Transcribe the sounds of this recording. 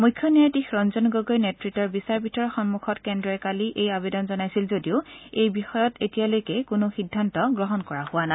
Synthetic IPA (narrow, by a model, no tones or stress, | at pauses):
mujkʰːjɔnijatixɹɔnzɔnɡoɡojnɛtɹitɔɹbisaɹbʱitɔɹɔxɔnmukʰɔtkɛndɹɔɛkaliʔejabedɔnzɔnajsilzodiʊejbixɔjɔtetijalojkɛkʊnʊxidʱːantɔɡɹɔɦɔnkɔɹahʊwana